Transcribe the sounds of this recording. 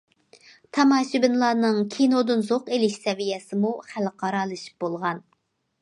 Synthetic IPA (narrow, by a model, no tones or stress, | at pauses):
t̪ʰɑmɑːʃibɪnlˠɑːnɨŋkʲʰinod̪ɨnzoqelɪʃsɛvijɛsɪmuχælqʰɑɾɑːlˠɨʃi̥p̚bolˠʁɑn